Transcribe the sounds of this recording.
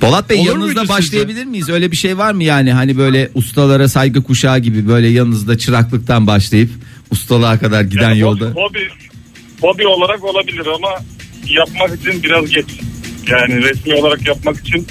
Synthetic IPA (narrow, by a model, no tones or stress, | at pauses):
b̥olˠat̪̚bɛːanɯzd̪abaʃlˠajabilʲiɾmijizø̞jlʲɛbiʃejvaɾmɯjaːniɦanibø̞jlʲɛʔust̪ʰalˠaɾasajɡɯkʰuʃaːɟibibø̞jlʲɛjalnˠnɯzd̪at͡ʃʰɯɾaklˠɯk̚t̪ʰanbaʃlˠajɯp | ust̪ʰalˠakʰad̪aɾɟijd̪ænjolˠabobi | hobio̞lˠaɾako̞lˠabilʲiɾamajapmakit͡ʃʰinbiɾazɟɛt͡ʃjaːnɪɾɛsmiolˠaɾakjap̚maki̥t͡ʃʰin